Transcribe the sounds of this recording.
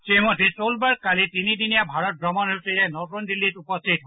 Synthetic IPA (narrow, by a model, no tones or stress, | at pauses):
semɔdʱːesolbaɹkalitinidinijabʱaɹɔt̚bɹɔmɔnesejɛnɔtɔndilːitupɔstʰit̚ɦɔ